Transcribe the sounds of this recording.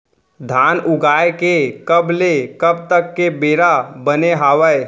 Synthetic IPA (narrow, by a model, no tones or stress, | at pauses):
d̪ʱaːnʔʊɡaːekekəblekəb̚t̪əkːebeːɾabəneɦaːʋəj